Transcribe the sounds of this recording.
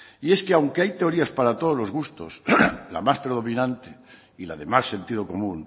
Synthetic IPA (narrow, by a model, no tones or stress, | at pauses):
ie̞skeawŋkeajt̪e̞o̞ɾiaspaɾat̪oðo̞lo̞zɣust̪o̰sla̰maspɾeð̞o̞mĩnãnt̪e | ila̰ðe̞masːe̞nt̪ið̞oko̞mũŋ